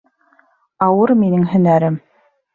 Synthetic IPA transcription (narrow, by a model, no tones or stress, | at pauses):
ɑwɤɾminɘŋɦɵ̆næɾɘm